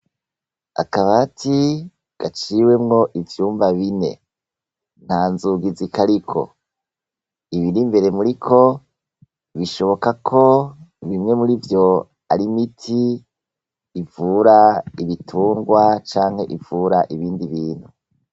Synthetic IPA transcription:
a̰kaβatʰi | ɡ̥at͡ʃiwe̞mŋo̞ʔivjuːmvaβine̞̰ | n̥haːnzuːɡizikaɾikʰo̞̰ | iβiɾimbe̞ɾe̞muɾikʰo̞ | βiʃo̞βo̞kakʰo̞βimŋe̞muɾivjo̞ | a̰ɾimitʰi | vuɾaiβitʰuːŋɡwat͡ʃaːŋ̥he̞ʔivuɾaʔiβiːndiβiːn̥hu

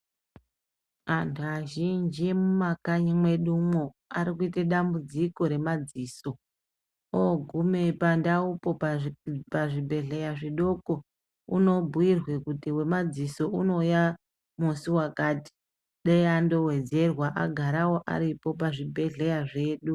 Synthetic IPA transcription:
antʰuaʒind͡ʒemumakaɲimwe̞ɗumo | aɾikuiteɗambud͡ziko̞ɾe̞mad͡ziːso̞ | oɡʱume̞pandaupo̞ | paʐibʱe̞ɮe̞jaʐiɗo̞ko̞ | ṵno̞bʱuwirwe̞kutiwe̞mad͡ziso̞ʔuno̞ja | musiwakaːti̥ | ɗeando̞we̞d͡ze̞rwaʔa̰ɡʱaɾawo̞ʔa̰ɾipo̞paʐibʱe̞ɮe̞jaʐe̞ːɗu

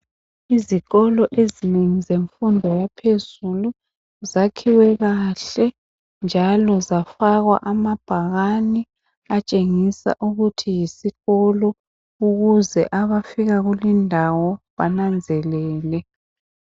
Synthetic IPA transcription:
iziɣɔlɔʔezineŋizeɱfundʱɔjapʰezulu | zakʰiwɛɣaɬɛ | nd͡ʒʱalɔzafaɣwa̰ʔamab̥ʱaɣani | at͡ʃʼeŋisa̰ʔuɣutʰijisiɣɔlɔ | uɣuzɛʔaβafiɣaɣulindʱawɔβanand͡zʱɛlɛːlɛ

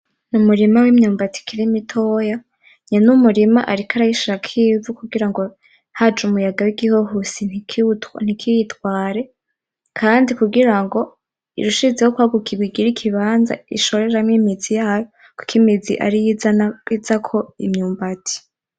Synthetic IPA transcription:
numuɾimawimɲuːmbatʰi̥kʰiɾimitʰoːja | ɲanumuɾima̰ʔaɾikʰaɾajiʃiɾakʰiːvukuɡiɾaŋɡo̞ | had͡ʒumujaɡawiɡihoɦusinikn̥ikʰijitwaːɾe̞ | kʰaːndikuɡiɾaŋɡo̞ | ḭɾuʃizehokwaɡukʰiɡwiɡiɾikʰiβaːnza̰iʃo̞ɾe̞ɾamŋimid͡zijaːjo | ku̥kʰimizḭʔa̰ɾijiaizakʰo̞ḭmɲuːmbatʰi̥

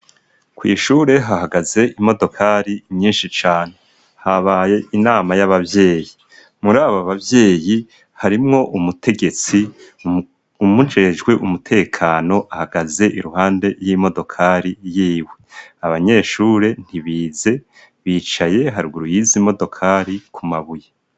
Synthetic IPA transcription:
kwḭːʃuːɾe̞ɦaɦaɡaze̞ʔimo̞do̞kʰaɾiɲɲiːnʃit͡ʃaːn̥e̞ | haβaje̞ʔinaːmajaβavje̞ːji | muɾaːβoβavje̞ːji | haɾimŋo̞ʔumutʰe̞ɡe̞t͡si | umut͡ʃeed͡ʒɡwe̞ʔumutʰe̞ːkʰaːno̞ʔahaɡaze̞ʔiɾuhaːnde̞ɾjimo̞do̞kʰaɾijiːwe̞aβaɲe̞ːʃuɾe̞n̥hiβiːze̞ | βiːt͡ʃaje̞ɦaɾiɡuɾujizimo̞do̞kʰaːɾikʰumaβuje

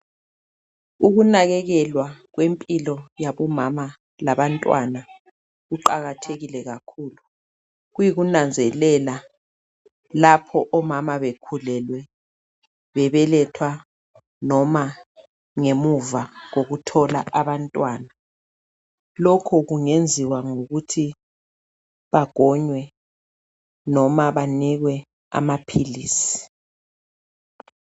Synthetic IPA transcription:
uɣunaɣɛɣɛlwaɣwempʼilɔjaβɔmama | laβantʼwa̰na | ɣuǃaɣatʰeɣilɛɣakʰuːlu | ɣujiɣunand͡zʱɛlɛla | lapʰɔʔɔmamaβekʰulɛlwɛ | βɛβɛlɛtʰwa | nɔma | ŋemuvaɣoɣutʰɔlaʔaβantʼwaːna | lɔkʰɔɣuŋend͡zʱiwaŋoɣutʰi | βaɡ̥ʱɔɲwɛ | nɔmaβaniɣwɛ | a̰mapʰiliːsi̥

